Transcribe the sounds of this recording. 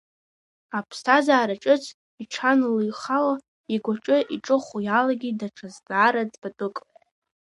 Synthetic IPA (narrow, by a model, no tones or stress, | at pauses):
apʰstʰazaːɾaʈ͡ʂʼɨt͡sʰ | iʈ͡ʂʰanlɨjχawa | iɡʷaʈ͡ʂʼɨʔiʈ͡ʂʼɨχujalaɡʲidaʈ͡ʂʰazdaːɾad͡zbatʼɨkʼ